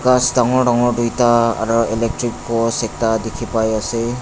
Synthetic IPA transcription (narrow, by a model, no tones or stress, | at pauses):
ɡasdaŋɔɖaŋɔɾdujta̰ːɾɔelek̚tɾikːɔsek̚tadikʰipajase